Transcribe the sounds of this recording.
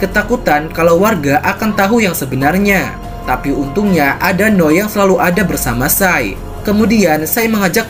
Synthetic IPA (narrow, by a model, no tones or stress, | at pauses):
kət̪akut̪ankalawwarɡaʔakant̪aɦujaŋsəbənarɲa | t̪apiunt̪uŋɲaʔadanɔjaŋsəlaluʔadabərsamasaj̰ | kəmudiansajməŋad͡ʒak̚